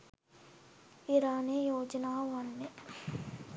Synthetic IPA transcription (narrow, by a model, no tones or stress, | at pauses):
iɾaːneːjoːd͡ʒɐnaːʋɐɳːe